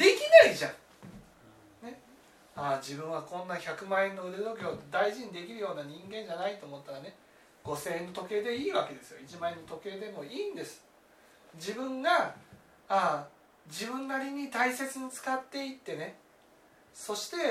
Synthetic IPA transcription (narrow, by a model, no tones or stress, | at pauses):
d̪̥e̞kʲinaiʑãŋ | ne̞ | aːd͡ʑibɯ̟̃ɰ̃βakõ̞nːaçʲakɯ̟mãẽnːo̞ɯ̟d̪ed̪o̞kʲeod̪aiʑiɲ̟id̪e̞kʲiɾɯ̟jo̞ːnaɲ̟ĩŋɡẽ̞ɲ̟d͡ʑanait̪o̞ːmo̞t̪ːaɾane̞ | ɡ̥o̞se̞ːnːot̪o̞ke̞ːd̪e̞iːβake̞d̪e̞sɨjo̞̰it͡ɕimaenːo̞t̪o̞ke̞ːd̪e̞mo̞iːnd̪e̞sɨ̥ | d͡ʑibɯ̟̃ŋɡa | a | d͡ʑibɯ̟̃nːaɾʲiɲ̟it̪aise̞t͡sɨɲ̟it͡sɨ̥kat̪ːe̞it̪ːe̞ne̞ | so̞ɕi̥t̪e̞